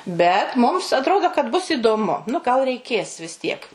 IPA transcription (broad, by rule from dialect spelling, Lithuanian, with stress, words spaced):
ˈbʲɛt mʊms ɐtˈroːdoː kɐt bʊs iːdoːˈmʊ nʊ ɡɐlˠ rʲɛɪˈkʲeːs ʋʲɪs ˈtʲiɛk